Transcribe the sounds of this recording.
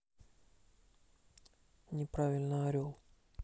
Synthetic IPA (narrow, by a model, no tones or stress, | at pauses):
nʲɪpɾavʲɪlʲnəɐɾʲolˠ